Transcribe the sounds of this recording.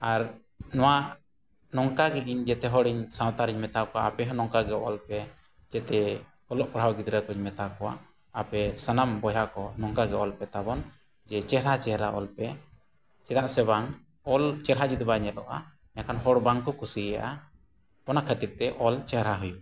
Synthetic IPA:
aɾ | nɔwaʔ | nɔŋkaɡɛʔiɲd͡ʒɛt̪ɛɦɔɽiɲsãwt̪aɾiɲmɛt̪akɔwaapɛɦɔnɔŋkaɡɛɔlpɛ | d͡ʒɛt̪ɛ | ɔlɔʔkɔɽ̤awɡid̪ɾəkɔɲmɛt̪akɔwa̰ː | pɛsənambɔjakɔnɔŋkaɡɛɔlpɛt̪abɔn | d͡ʒɛt͡ʃɛhɾat͡ʃɛhɾaʔɔ̰lpɛ | t͡ʃɛd̪aʔsɛbaŋ | ɔlt͡ʃɛɾɦad͡ʒud̪baɲɛlɔʔa̰ | ɲakanɦɔɽbaŋkɔkusija̰ʔa | ɔnakʰət̪iɾt̪ɛʔɔlt͡ʃɛhɾaɦuju

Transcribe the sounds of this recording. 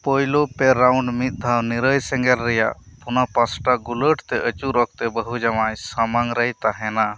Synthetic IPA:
pojlopɛɾawɳɖmit̪̚d̪ʱaniɾəjsɛŋɡɛlːɛja̰pʰunapasʈaɡuləʈt̪ɛʔət͡ʃuɾɔk̚t̪ɛbəɦud͡ʒamajsəmaŋɾəjt̪aɦɛna

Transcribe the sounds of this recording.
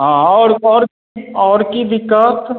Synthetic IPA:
ɦãɔːɾɔːɾ | ɔːɾkiʋɪkːaːt̪

